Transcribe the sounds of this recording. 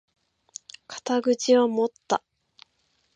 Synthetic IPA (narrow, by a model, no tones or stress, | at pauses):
kḁt̪aɡɯ̟t͡ɕiβamo̞t̪ːa